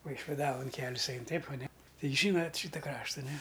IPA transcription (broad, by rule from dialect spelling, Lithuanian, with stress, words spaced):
ʋɐɪʃʲʋʲɪˈdɑːʋoːn ˈkʲæːlʲɪs ˈɐɪn ˈtʲɛɪp ɐˈnʲɛ ˈtɐɪ ˈʒʲiːnɐtʲ ˈʃʲiːtɐ ˈkrɑːʃtɐ nʲɛ